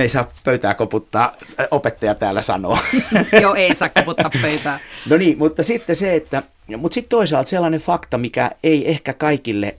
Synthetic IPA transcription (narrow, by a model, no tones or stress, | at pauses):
eisɑːppøyt̪æːkoput̪ːɑːopet̪ːɑjɑt̪æːlːæsɑ̰no̰ːjoːeisɑːkkoput̪ːɑpøyt̪æːnoniːmut̪ːɑsit̪ːeseet̪ːæ | mut̪sit̪t̪oisɑlt̪selːɑnefɑkt̪ɑmikæ̰eiʔehkækɑikilːḛ